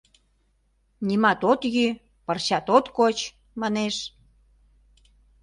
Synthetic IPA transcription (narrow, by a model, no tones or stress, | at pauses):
nimɑt̪ot̪jy | pərɕɑt̪ot̪kot͡ɕ | mɑneʃ